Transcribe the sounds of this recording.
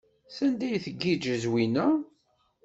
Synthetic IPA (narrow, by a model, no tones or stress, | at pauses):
θænd̪æjθəɡːid͡ʒəzwinæ